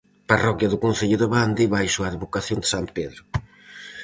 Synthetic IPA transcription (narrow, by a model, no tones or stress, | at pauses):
parɔkjɐðʊkõnθeʎʊðeβand̪iβajsuaðeβokaθjõnd̪ɪ̥sampeðɾʊ